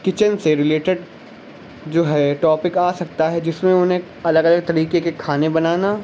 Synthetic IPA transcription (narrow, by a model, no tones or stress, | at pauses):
kɪt͡ʃənseɾɪleːʈɪɖ | d͡ʒoːɦɛʈɔːpɪkaːsɐk̚t̪aɦɛd͡ʒɪsmẽʊnɦẽ | ɐləɡɐləɡ̚t̪ɐɾiːkekekʰaːnebɐnaːna